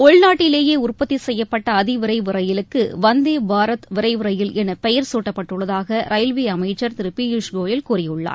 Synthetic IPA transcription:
ɔɭnaːʈːɪleːjeːʊrpɐt̪ːisɛjːɐpːɐʈːɐːðɪʋɪɾɐɪʋɪɾɐjɪlɯkːɯʋɐnd̪eːbʱaːɾɐt̪ʋɪɾɐɪʋɯɾɐjɪlɛnɐpɛjɐɾsuːʈːɐpːɐʈːɯɭːɐðaːɣɐɾɐɪlʋiːɐmɐɪt͡ʃːɐɾt̪ɪɾɯpːijuʂɡoːjɪlkuːrɪjɯɭːa̰ːɾ

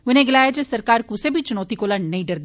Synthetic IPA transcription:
ʊnẽːɡɪlaːjaːd͡ʒesəɾkaːɾkʊsẽːbʱiːt͡ʃʊnɔːt̪iːkoːlaːnnəĩɖəɾd̪

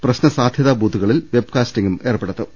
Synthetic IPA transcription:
prɐɕnɐsaːd̪ʱjɐðaːbʱuːd̪ʱːuɣɐɭilʋe̞b̚kaːstiŋɡume̞ːrpːeɽɐt̪ːɨ

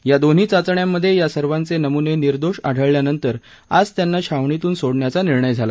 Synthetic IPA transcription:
jad̪on̤iːt͡sat͡sɳjamːəd̪ʱːjejasəɾʋant͡senəmuneniɾd̪oɕa̰ɽ̤ʱəɭljanənt̪əɾ | ad͡zt̪janːaɕaʋɳit̪uːnsoɽɳjat͡saniɾɳəjd͡zʱala

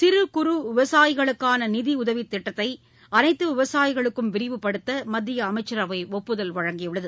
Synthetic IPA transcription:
sɪɾɯkʊɾɯʋɪʋɐsaːjɪɣɐɭɯkːaːnɐnɪðiʊðɐʋɪt̪ːɪʈːɐt̪ːɐɪ | ɐnɐɪt̪ːɯʋɪʋɐsaːjɪɣɐɭɯkːɯmʋɪɾɪʋɯpːɐɽɯt̪ːɐmɐd̪ːɪjɐːmɐɪt͡ʃːɐɾɐʋɐɪɔpːɯðɐlʋɐɻɐŋɡɪjɯɭɐðɯ

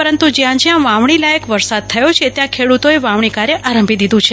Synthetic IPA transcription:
pəɾənt̪ud͡ʒjãd͡ʒjãʋãʋɳ̃ilajəkʋəɾsad̪̚t̪ʰəjot͡ʃʰet̪jãkʰeɽut̪oeʋãʋɳ̃ikaɾeʔaɾəmbʱid̪id̪ũt͡ʃʰe

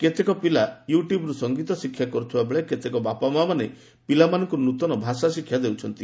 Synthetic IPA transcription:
ket̪ekɔpilajuʈjubɔɾusɔŋɡit̪ɔsikʰːjakɔɾut̪ʰibabeɭeket̪ekɔbapamamane | pilamanɔŋkɔɾɔnut̪ɔnɔbʱasasikʰːjad̪ewt͡ʃʰɔnt̪i

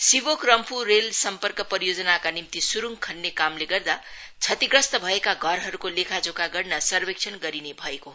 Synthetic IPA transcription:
sibokrʌmpurelsʌmpʌrkʌpʌɾijod͡zʌnakanimt̪isuɾuŋkʰʌnːekamleɡʌrd̪a | t͡sʰʌt̪iɡɾʌst̪ʌbʱʌekaɡʱʌɾɦʌɾukolekʰad͡zokaɡʌrnʌsʌrbekt͡ʃʰʌnɡʌɾinebʱʌeko

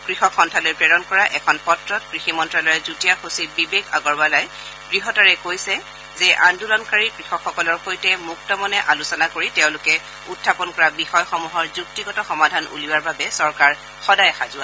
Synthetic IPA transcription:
kɹixɔkxɔntʰalojpɹɛɹɔnkɔɹaʔɛkʰɔnpɔtɹɔt̚kɹiximɔntɹalɔjɛzutijaxosit̚bibeɡa̰ɡɔɹbalaj | ɡ̥ɹiɦɔtaɹɛkojsɛ | zɛʔandulɔnkaɹikɹixɔkʰːɔkɔlɔɹxojtɛmuk̚tɔmɔnɛʔalusɔnakoɹitɛʊ̃lʊkɛ | utʰːapɔnkɔɹabixɔjxɔmuɦɔɹzuk̚tiɡɔtɔxɔmadʱanṵliwaɹbabɛsɔɹkaɹ | xɔdajxazʊa

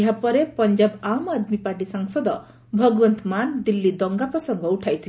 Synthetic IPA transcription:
ɦapɔɾepɔnd͡ʒabamad̪mipaʈ̬isaŋsɔd̪ɔ | bʱɔɡɔwɔnt̪mand̪ilːid̪ɔŋɡapɾɔsɔŋɡɔuʈʰajt̪ʰil

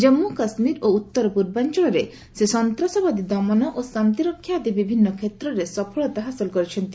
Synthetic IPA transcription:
d͡ʒemːukasmiɾout̪ːɔɾɔpuɾbant͡ʃɔɭɔɾe | sesɔnt̪ɾasɔbad̪id̪ɔmɔnɔʔosant̪iɾɔkʰːjad̪ibibʱinːɔkʰet̪ɾɔɾesɔpʰɔɭɔt̪aɦasɔlkɔɾit͡ʃʰɔnt̪i

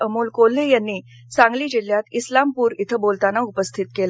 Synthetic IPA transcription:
əmuːlkolːejanːiː | sãŋɡliːd͡ʑil̤jat̪islampuːɾit̪ʰəbolt̪anːaupəst̪ʰit̪kel

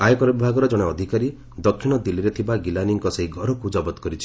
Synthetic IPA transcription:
ajɔkɔɾɔbibʱaɡɔɾɔd͡ʒɔɽ̃eɔd̪ʱikaɾi | d̪ɔkʰːiɽ̃ɔd̪ilːiɾet̪ʰibaɡilaniŋkɔseɦiɡʱɔɾɔkud͡ʒɔbɔt̪ɔ̥kɔɾit͡ʃʰi

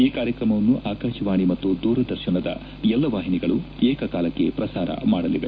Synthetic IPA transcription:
iːkaːɾjɐkɾɐmɐʋɐnːuʔaːkaːʃɐʋaːɳimɐt̪ːud̪uːɾɐd̪ɐɾʃiɳɐd̪ɐ̰ | ɛlːɐʋaːɦiniɡɐɭueːkɐkaːlɐkːe̞̰pɾɐsaːɾɐ̰maːɽɐliʋe

